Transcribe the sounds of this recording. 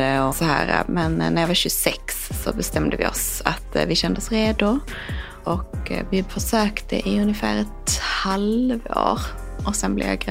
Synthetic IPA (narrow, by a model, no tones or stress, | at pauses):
ɔsɔɦæ̰ːɾa̰mɛnnːæɾjɑvaɕɵsɛksːɔ̰bɛst̪ɛmd̪əvɪ̰ɔ̰sa̰t̪vɪɕɛnd̪əsɾeːd̪ʊ | ʔɔkːvɪfœʂøːkt̪ʰəʔɪɵnjəfæːɾɛt̪halvo̰ːɾ | ʔɔsɛnblɛ̰vja̰ɡ